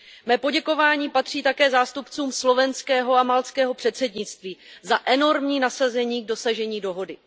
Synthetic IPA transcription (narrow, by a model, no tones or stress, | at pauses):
mɛːpo̞ɟɛko̞vaːɲiːpat̪r̝̥iːt̪akɛːzaːst̪upt͡suːmslo̞vɛnskɛːɦo̞amalt͡skɛːɦo̞pr̝̥ɛt̪sɛdɲɪt͡st̪viːzaʔɛno̞ɾmɲiːnasazɛɲiːɡ̚do̞saʒɛɲiːdo̞ɦo̞dɪ